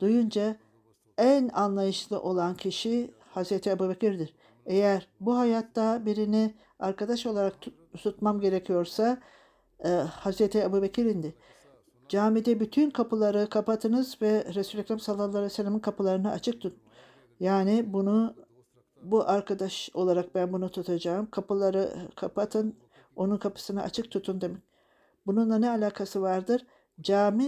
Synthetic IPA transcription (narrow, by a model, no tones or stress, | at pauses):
d̪̥ujund͡ʒa | ænanlˠajɯʃlˠɯʔo̞lˠancʰiʃi | hazɾet̪ʰiabuːbecʰiɾd̪iɾ | e̞jæɾbuɦajat̪ːabiɾini | aɾkad̪aʃo̞lˠaɾak̚t̪ | t̪ʰut̪mamɟe̞ɾecʰijo̞ɾsa | hazɾet̪ʰiabuːbecʰiɾind̪ɪ | d͡ʒaːmid̪ɛbyt̪ʰynkʰapɯlˠaɾɯkʰapat̪ʰɯnɯzvɛɾesuːlʲɛkɾamsalˠːalˠːaɾesɛlʲːaminkʰapɯlˠaɾɯnaat͡ʃʰɯk̚t̪ʰun | jaːnɪbunu | buʔaɾkʰad̪aʃo̞lˠaɾak̚bænbunut̪ʰut̪ʰad͡ʒaːɯmkʰapɯlˠaɾɯkʰapat̪ʰɯn | o̞nunkʰapʰɯ̥sɯna̰ʔa̰t͡ʃʰɯk̚t̪ʰut̪ʰund̪emɛc̚ | bununlˠanɛalʲaːkʰasɯvaɾd̪ɯɾ | d͡ʒaːmi